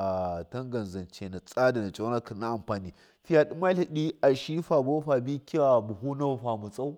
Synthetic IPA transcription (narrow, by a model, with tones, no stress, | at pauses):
a˨tɐ˦ŋɡɐ˨nzɐ˨nt͡ʃe˨na˨t͡sʼa˦da˨na˨t͡ʃʼa˦na˦kɐ˨nːa˦ʔa˨mɸaː˨niː˦ | ɸi˦ja˨ɗi˦ma˦lɐ˨ɗi˦ʔa˨ʃi˦ɸa˨bo˦ɸa˨bi˦kʲi˦wa˨bu˨ɦu˦na˦wɸa˨mu˨t͡sʼa˦u˦